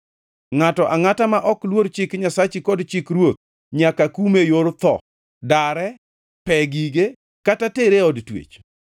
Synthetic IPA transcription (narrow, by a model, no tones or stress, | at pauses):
ŋatɔʔaŋatamaʔɔklwoɾt͡ʃɪkɲasat͡ʃɪkɔdt͡ʃɪkɾwot̪̚ | ɲakakumejoɾt̪ɔ̰ | daɾɛ | pɛɡiɡe | katateɾeɔdtwḛt͡ʃ